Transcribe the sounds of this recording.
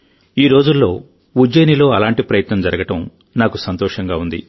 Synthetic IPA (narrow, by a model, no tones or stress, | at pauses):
iːɾo̞ːd͡ʒulːo̞ː | ud͡ʒɐjnilo̞ːɐlaːɳʈipɾɐjɐt̪nɐmd͡ʒɐɾɐɡɐʈɐm | naːkusɐnt̪ɔːʂɐŋɡaːund̪ḭ